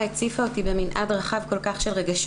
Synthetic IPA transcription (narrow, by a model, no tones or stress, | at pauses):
et͡sifaot̪ibeminʔa̰dʁaχavko̞lkaχʃe̞lʁeɡaʃ